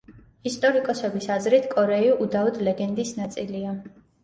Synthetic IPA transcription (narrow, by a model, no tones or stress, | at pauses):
ist̪ʼɔɾikʼɔsɛbisazɾit̪ʰkʼɔɾɛiuʔud̪aɔd̪lɛɡɛnd̪isnat̪sʼilia